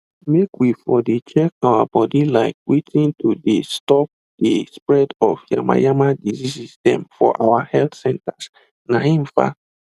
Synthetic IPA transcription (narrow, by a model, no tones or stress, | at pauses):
mekwifɔdet͡ʃɛkawabɔdilaɪk̚wetʰĩntudestɔp̚ | d̥espɹɛdɔvja̰ma̰jamadizisisdɛ̰̃mfɔ̰ʔawahɛltsɛ̃ntas | naɦĩm̩fa̰